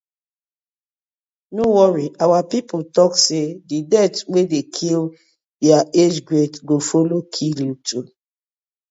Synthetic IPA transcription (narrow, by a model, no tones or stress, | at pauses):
nowɔɹiʔawapipotɔksedidɛtwedekʰil | deaed͡ʒɡɹetɡofolokʰiljutʰu